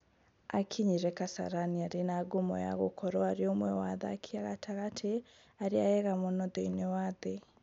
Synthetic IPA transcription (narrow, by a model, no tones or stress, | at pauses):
akʰiɲiɾɛkasa̰ɾaniaɾenaɡomɔ̰ja̰ɣo̰kʰɔɾɔaɾeomwɛwaða̰kʰiaɣatʰaɣatʰe | aɾeajɛɣamonɔðeinewaðe